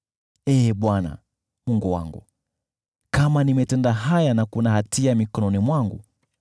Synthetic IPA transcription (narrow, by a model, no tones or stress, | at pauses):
ɛːɓwana̰ | muŋɡuwa̰ŋɡṵ | kamanimɛtɛndaɦajanakunahatiamikɔnɔnimwaŋɡṵ